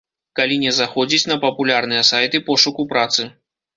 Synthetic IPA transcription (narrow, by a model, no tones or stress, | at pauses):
kalʲinʲɛzaxɔd͡zʲit͡sʲnɐpɐpulʲarnɨjɐsajt̪ɨpɔʂukupɾat̪sɨ